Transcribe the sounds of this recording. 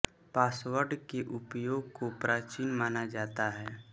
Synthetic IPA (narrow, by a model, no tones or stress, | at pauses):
paːswəɾɖkeʔʊpjoːɡ̚kopɾaːt͡ʃinmaːnad͡ʒaːt̪aɦɛː